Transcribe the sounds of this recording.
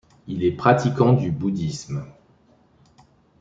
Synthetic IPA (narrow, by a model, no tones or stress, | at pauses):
ilɛpχat̪ikɑ̃d̪ybud̪ism